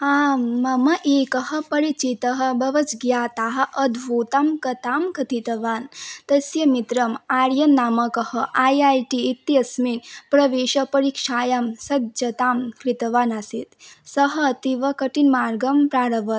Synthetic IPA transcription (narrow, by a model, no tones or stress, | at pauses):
aːɐmɐʔeːkɐɦɐ̆pɐɾit͡ʃit̪ɐɦɐbɐʋɐt͡sɡjaːt̪aɦɐʔɐd̪ʱʋuːt̪ɐmkɐt̪aːmkɐt̪ʰit̪ɐʋaːnt̪ɐsjɐmit̪ɾɐmaːɾjɐnːaːmɐkɐhɐʔajajʈiːt̪ːjɐsmiːnpɾɐʋeːʃɐpɐɾikʂaːjɐmsɐd̪d͡ʒɐt̪aːmkɾit̪ɐʋaːnasit̪sɐɦɐt̪iʋɐkɐʈinmaːɾɡɐmpɾaːɾɐʋɐt̪